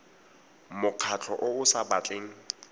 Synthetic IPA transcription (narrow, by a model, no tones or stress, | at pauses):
mʊq͡χʰat͡ɬʰɔʔʊʊsabat͡ɬʼeːŋ̩